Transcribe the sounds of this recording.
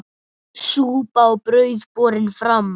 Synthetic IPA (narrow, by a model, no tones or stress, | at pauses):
suːpaɔpɾœɥðpɔːɾɪnfɾamː